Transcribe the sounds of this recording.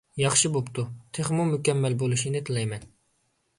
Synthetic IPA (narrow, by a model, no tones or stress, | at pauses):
jɑχʃibopt̪ʰut̪ʰeχmumykʲɛmːɛlbolˠuʃinɪt̪ʰɨlˠɛjmɛn